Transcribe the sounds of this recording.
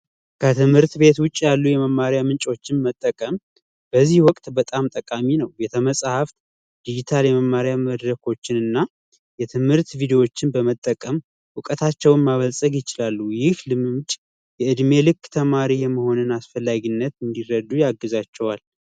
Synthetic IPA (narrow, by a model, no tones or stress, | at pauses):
kʰət̪ʰɨmhɨɾt̪be̞t̪wʊt͡ʃʼːjalːujɛməmːaɾjamɨnt͡ʃʼo̞t͡ʃːɪnmət̪ʼːəkʼəm | b̥əzːihwɔkʼt̪ʼbət̪ʼamt̪ʼəkʼaminəwjɛt̪ʰəməsʼhaft̪ | d̪̥id͡ʒit̪ʰaljɛməmːaɾjaməd̪ɾəkʰo̞t͡ʃːɪnɨnːa | jɛt̪ʰɨmhɨɾt̪vid̪ewo̞t͡ʃːɪnbəmət̪ʼːəkʼəm | wɨkʼət̪ʰat͡ʃːɛwnmaβəlsʼəɡjɪt͡ʃɪlalːujɪhlɨmɨmt͡ʃʼ | jɛʔɨd̪me̞lɨkːt̪ʰəmaɾijɛmːəho̞nɨnasfəlːaɡinːət̪ɨnd̪iɾəd̪ːujaɡːɨzat͡ʃːɛwal